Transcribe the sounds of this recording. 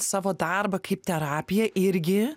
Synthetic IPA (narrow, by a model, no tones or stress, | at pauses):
sɑːʋoːd̪ɐrbɐkɐɪp̚t̪ʲɛɾɑːpʲɪjɛʔɪɾʲɡʲɪ